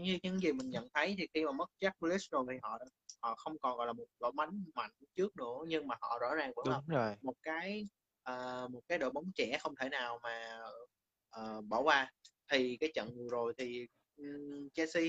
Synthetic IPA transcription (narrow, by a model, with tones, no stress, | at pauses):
ɲɨ˧ɲɨ̰˧˥ŋzi˨˩mï˨˩ŋɲə̰˧˨nt̪ʰə˨˦jt̪ʰi˨˩xi˧maː˨˩mə˦˥t̚t͡ɕa˦˥k̚u˧li˦˥s̚zo˨˩jt̪ʰi˨˩ɦɔ̰˧˨˧hɔ̰˧˨xə˧wŋ͡mkɔ˨˩nɣɔ̰˧˨jlaː˨˩mo˨˩t̚lo̰˧˩ma˨˦jŋma̰˧˨jŋ̟t͡ɕɨ˦˥ək̚nɨ̰˧˥əɲɨ˧ŋmaː˨˩hɔ̰˧˨zɔ̰˧˥zaː˨˩ŋkə˨˧˦jmo˨˩t̚kaː˨˦j | ʔəː˨˩mo˨˩t̚kaː˨˦jɗo̰˧˨ɓa˨˦wŋ͡mt͡ɕɛ˧˩xə˧wŋ͡mt̪ʰe˧˩naː˨˩wmaː˨˩ | ʔəː˨˩ɓɔ˧˩wvaː˧˩t̪ʰi˨˩kaː˨˦jt͡ɕə̰˧˨nŋɨ˨˩əzo˨˩jt̪ʰi˨˩˨ | t͡ɕɛ˧si˧